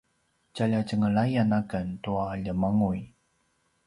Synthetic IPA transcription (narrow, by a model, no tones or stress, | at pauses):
t͡ɕaʎat͡ɕəŋəɭajanakəntuaʎəmaŋuj